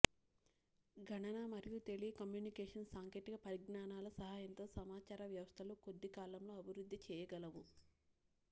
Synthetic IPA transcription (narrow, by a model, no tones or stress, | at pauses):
ɡʱɐɳɐnamɐɾijut̪e̞ɭikɐmjuːnikeːʂɐnsaːŋke̞ːʈikɐpɐɾiɡɳaːnaːlɐsɐɦaːjɐnt̪o̞ːsɐmaːt͡ʃaːɾɐʋjɐʋɐst̪ʰɐluko̞d̪ːikaːlɐmloːɐbʱiɾud̪ːit͡ʃɛːjɐɡɐlɐʋu